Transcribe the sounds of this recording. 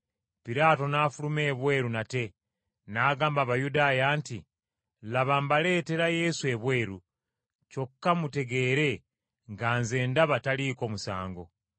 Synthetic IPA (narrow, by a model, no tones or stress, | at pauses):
piɾaːto̞naːfulume̞ːβwe̞ːɾunate̞ | naːɡaːmbaβajudaːjaːnti | laβambale̞ːte̞ɾaje̞sue̞βwe̞ːɾu | co̞kːamute̞ɡe̞ːɾe̞ | ŋɡaːnze̞ːndaβataliːko̞ːmusa̰ːŋɡo̞